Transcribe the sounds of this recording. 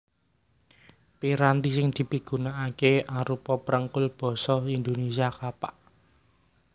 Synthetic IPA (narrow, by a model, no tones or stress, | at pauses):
piɾant̪isɪŋd̪̥i̤piɡ̥ṳnaʔakeaɾupɔpəɾəŋkʊlb̥ɔ̤sɔind̪onesiakapaʔ